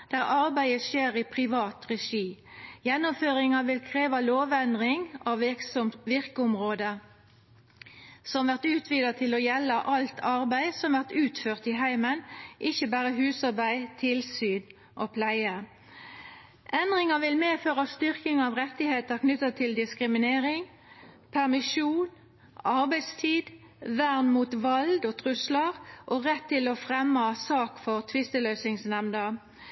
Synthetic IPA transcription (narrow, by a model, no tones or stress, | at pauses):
d̪̥æːʁɑʁbæɪəʃeːʁiːpʰʁɪʋɑːt̪ʁɛʂiː | jɛnːʊmføːʁɪŋɑʋɪlkʰʁeːʋɑloːʋɛnd̪ʁɪŋɑʋʋɪksɔmʋɪʁkəʊmʁoːd̪ə | sɔmʋæʁt̪ʉːt̪ʰʋiːd̪ɑt̪ʰɪloːjɛlːɑʔɑlt̪ʰɑʁbæɪsɔmʋæʁt̪ʉːt̪føːʁt̪iːɦæɪmənʔɪçəbæːʁəɦʉːsɑʁbæɪt̪ʰɪlsyːn | ʔoːpʰlæɪə | ʔɛnd̪ʁɪŋɑʋɪlmeːføːʁɑst̪ʏʁkɪŋɑːʋʁɛt̪ːɪheːt̪əʁknʏt̪ət̪ʰɪld̪ɪskʁɪmɪneːʁɪŋ | pʰæʁmɪʃuːn | ʔɑʁbæɪst̪ʰiːd̪ | ʋæʁnmuːt̪ʋɑld̪oːt̪ʰʁʉsləʁʔoːʁɛt̪ʰːɪlofʁɛmːɑsɑːkfɔʁt̪ʰʋɪst̪əlœːsɪŋsnɛmnə